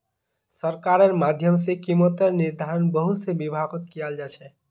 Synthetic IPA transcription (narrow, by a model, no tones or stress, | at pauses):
səɾkaɾəɾmad̪ʱjəmsekimot̪əɾniɾd̪ʱaɾənbəɦut̪sebibʱaɡət̪kijald͡ʒat͡ʃʰɛ